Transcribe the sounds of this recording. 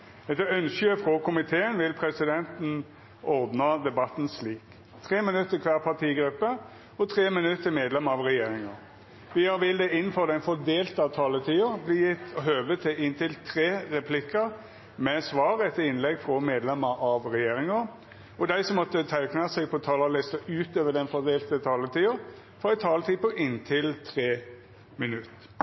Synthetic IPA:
ɛt̪ːəœnʃəəfʁɔkʰʊmɪt̪ʰeːənʋɪlpʰɾɛsɪd̪ɛnt̪n̩ | ʔɔɾd̪nɑd̪ɛbɑt̪n̩sliːk | t̪ʰʁeːmɪnʉt̪ːəkʰʋæːʁpʰɑt̪ʰiːɡɾʉpːə | ɔt̪ʰʁeːmɪnʉt̪ːəmeːd̪lɛməɑʋʁɛjeːɾɪŋəʁ | ʋɪɑʋɪld̪ɛɪnːnfɔʁd̪ɛɪnfɔd̪eːlt̪ɑt̪ʰɑːlət̪ʰiːəɾbliːjɪt̪ːɔɦøːʋət̪ʰɪlɪnt̪ʰɪlt̪ʰɾeːɾɛpʰlɪkːə | mɛsʋɑːɾɛt̪ːəɪnlɛɡfʁɔmeːd̪lɛməɾʔɑʋʁɛjeːʁɪŋə | ɔd̪æɪsɔmːɔt̪ːət̪ʰæɪknəsɛɡ̚pʰɔt̪ʰɑːlɑlɪst̪əʔʉːt̪øːʋəɖ̪ɛnfɔd̪eːlt̪ət̪ʰɑːlət̪ʰiːʊɾ | fɔʁæɪt̪ʰɑːlət̪ʰiːpɔʔɪnt̪ʰɪlt̪ʰʁeː | mɪnʉt̪ː

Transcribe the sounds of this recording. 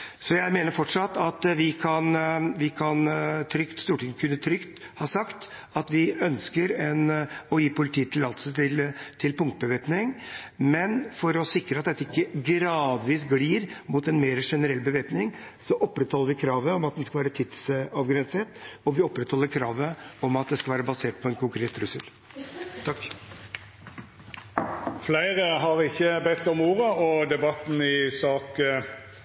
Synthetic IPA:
sɔjæɪmeːnəɾfɔʈʂɑt̪ːɑt̪ʋɪkʰɑnʋɪkʰɑnt̪ʰɾʏkt̪st̪uːʈɪŋːəkʰʉnːət̪ʰɾʏkt̪ | hɑːsɑkt̪ | ɑt̪ʋɪœnskəɾɛnɔjiːpʰʊlɪt̪ʰiːət̪ʰɪlɑlt̪sət̪ɪlt̪ʰɪlpʊŋkt̪̚əbəʋeːpnɪŋ | mɛnfɔɾɔsɪkɾəɑt̪̚d̪ɛt̪ːəɪkːəɡɾɑːd̪ʋiːsɡliːɾmut̪ɛnmeːɾəʂɛnəɾɛlːbəʋeːpnɪŋsɔʔɔpːɾɛt̪hɔlːəɾʋɪkʰɾɑːʋəɔmɑt̪̚d̪ɛnskɑʋæːɾət̪ʰɪt̪sɑʋɡɾɛnset̪ɔʋɪɔpːɾɛt̪hɔlːəɾkʰɾɑːʋəɔmɑt̪̚d̪ɛskɑlʋæːɾəbɑseːʈ̪̚pʰɔɛnkʰʊŋkʰɾeːt̪ːɾʉsəl | t̪ʰɑk | flæɪʁəɦɑʁɪçːəbɛt̪ːɔmuːʁəɔd̪ɛbɑt̪n̩ɪsɑːk

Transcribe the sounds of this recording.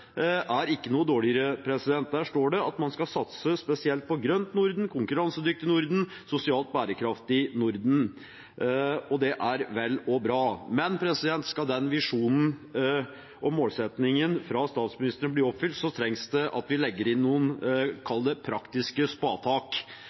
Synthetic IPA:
ʔæɾɪkːənuːəd̪oːɭɪəɾəpʰɾɛsɪd̪ɛnt̪̚d̪æːʂʈoːɖɛɑt̪mɑnskɑsɑt̪səspɛsɪɛlt̪̚pʰɔɡɾœnt̪nʊɾd̪n̩kʰʊŋkʉɾɑnsəd̪ʏk̚t̪ɪnʊɾd̪n̩ | sʊsɪɑːlt̪̚bæːɾəkʰɾɑft̪ɪnʊɾd̪n̩ | ɔd̪ɛʔæɾʋɛlːɔbɾɑːmɛnpʰɾɛsɪd̪ɛnt̪skɑd̪ɛnʋɪʂuːnn̩ | ʔɔmoːlsɛt̪nɪŋənfɾɑst̪ɑːt̪smɪnɪst̪ɾənəbliːɾɔpfʏlt̪sɔt̪ʰɾɛŋsd̪ɛʔɑ̰t̪ʋɪlɛɡːəɾɪnːuːənkʰɑld̪əpʰɾɑkt̪ɪskəspɑːt̪ʰɑːk

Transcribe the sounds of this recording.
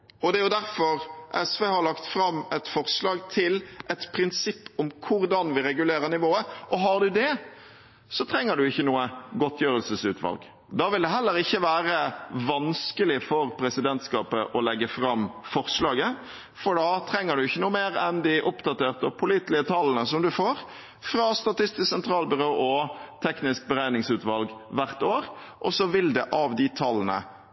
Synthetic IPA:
ɔd̪ɛæɾjʊd̪æɾfɔɾʔɛsʋeːhɑɾɭɑkt̪fɾɑmːɛt̪fɔɾslɑːɡt̪ʰɪlʔɛt̪pʰɾɪnsɪpːɔmkʰʊɾd̪ɑnʋɪɾɛɡʉleːɾənɪʋoːəʔɔɦɑɾɖ̪ʉd̪ɛ | sɔt̪ʰɾɛŋːəɖʉɪçːənuːəɡɔt̪ʰːjøːɾəlsəsʉ̰ːt̪ʰʋɑ̰lɡ | d̪ɑːʋɪld̪ɛɦɛlːəɾɪçːəʋæːɾəʋɑnskəlɪfɔɾpʰɾɛsɪd̪ɛnt̪skɑːpəʔɔlɛɡːəfɾɑmːfɔʁslɑːɡə | fɔɖɑt̪ʰɾɛŋːəɖʉɪçːənuːəmeːɾɛnd̪ɪʔʊpd̪ɑt̪eːʁt̪əpʰʊliːt̪lɪət̪ʰɑlnəsɔmd̪ʉfoːɾ | fɾɑst̪ɑt̪ɪst̪ɪssɛnt̪ʰɾɑːlbʉɾoːʔɔt̪ʰɛknɪsk̚bəɾæɪnɪŋsʉːt̪ʋɑlɡʋæʁt̪oːɾ | ʔɔsɔʋɪld̪ɛʔɑʋd̪ɪt̪ʰɑlːnə̰

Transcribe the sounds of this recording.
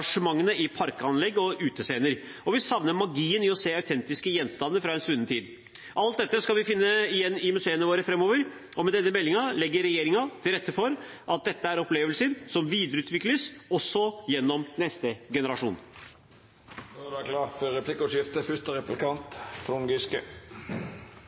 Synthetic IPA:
ɑʂəmɑŋːənəɪpʰɑɾkəɑnlɛɡːɔʉːt̪əseːnəɾ | ɔʋɪsɑʋnəmɑɡiːənɪɔseːɑʉt̪ʰɛnt̪ɪskəjɛnːst̪ɑnd̪əfɾɑɛnsʉnːət̪ʰiːd̪ | ʔɑlt̪̚d̪ɛt̪ːəskɑlʋɪfɪnːəɪjɛnːɪmʉseːənəʋoːɾəfɾɛmːoːʋəɾ | ɔmɛd̪ɛnːəmɛlːɪŋɑlɛɡːəɾɛjeːɾɪŋɑt̪ʰɪlɾɛt̪ːəfɔɾ | ʔɑt̪̚d̪ɛt̪ːəæɾɔpleːʋəlsəɾsɔmʋiːd̪ɾəʉːt̪ʋɪkləsɔsːɔjɛnːɔmnɛst̪əɡɛnəɾɑʂṵːn | d̪æklɑːt̪fɔʁɛpʰlɪkʊʂɪft̪əfʏʂt̪əɾɛplɪkʰɑnt̪t̪ʰɾʊŋɡɪskə̰

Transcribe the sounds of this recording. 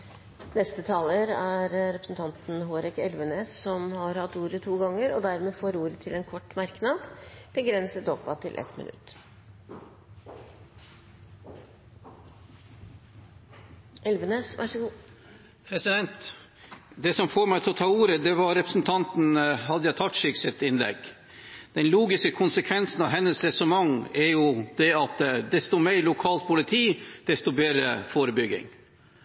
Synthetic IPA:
nɛst̪ət̪ʰɑːləɾæɾɾɛpɾəsn̩t̪ʰɑnt̪nɦoːɾɪkɛlʋəneːssɔmhɑɾhɑt̪ːuːɾət̪ʰuːɡɑŋːəɾɔd̪æɾmeːfoːɾuːɾət̪ʰɪlɛnkʰɔʈːmɑɾknɑd̪b̥əɡɾɛnsət̪ɔpːɑt̪ʰɪ̰lʔɛ̰t̪mɪ̰nʉ̰t̪ː | ʔɛlʋəneːsʋʔæ̰ʂɡuː | pʰɾɛsɪd̪ɛnt̪ | d̪ɛsɔmfoːɾmæɪɪlɔt̪ʰɑːuːɾəd̪ɛʋɑɾɛpɾəsn̩t̪ʰɑnt̪n̩hɑd̪əjæɪt̪ʰɑt̪ʂɪksɛt̪ɪnlɛ̰ɡ | d̪̥ɛnluːɡɪskəkʰʊnsəkʰʋɛnsn̩ɑʋɦɛnːəsɾɛsʊmɑŋɛɾjʊd̪̥ɛɑt̪d̪ɛst̪ʊmeɪɾlʊkʰɑːlt̪̚pʰʊlɪt̪ʰiːd̪̥ɛst̪ʊbeːdɾə̰foːɾəbʏɡɪ̰ŋ

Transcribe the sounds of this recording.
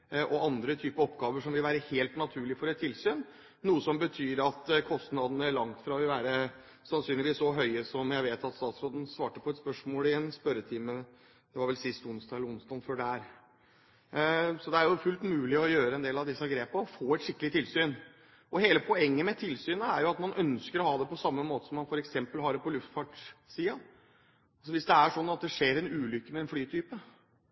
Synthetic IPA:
ʔɔʔɑnd̪ɾət̪ʰyːpəɔpɡɑːʋəʂɔmʋɪlʋæːɾəheːlt̪nɑt̪ʰʉːɭɪfɔɾɛt̪ʰːɪlsyːn | nuːəsɔmbət̪ʰyːɾɑt̪kʰɔst̪nɑd̪ən̩æɭɑŋt̪fɾɑɔʋɪlʋæːɾə | sɑnsyːnlɪʋiːsɔɦœʏəsɔmjæɪʋeːt̪ɑt̪st̪ɑːt̪sɾoːd̪ən̩sʋɑːʈəpʰɔɛt̪spœʂmoːlɪjɛnspœɾːət̪ʰɪmə | d̪̥ɛʋɑɾʋɛlsɪst̪ʊnsd̪ɑːɛləɾʊnst̪ɑːnfɔɖæɾ | sɔd̪ɛæɾjʊfʉlt̪mʉːlɪɔjøːɾəɛnd̪eːlɑʋd̪ɪsːəɑɡɾeːpɑɔfoːɛt̪ʂɪkːəlɪt̪ʰɪlsyːn | ɔheːləpʰɔɛŋːəmɛt̪ʰɪlsyːnəæɾjʊɑt̪mɑnʔœnskəɾɔhɑːd̪ɛpɔsɑmːəmoːt̪ə̥sɔmːɑnfɔɾɛksɛmpəlhɑɖɛpʰɔlʉft̪fɑʈsiːɑ | ɑlsɔʋɪsd̪ɛæʂɔnːɑt̪̚d̪ɛʂeːɾɛnʉːlʏkːəmɛɛnflyːt̪ʰyːpə

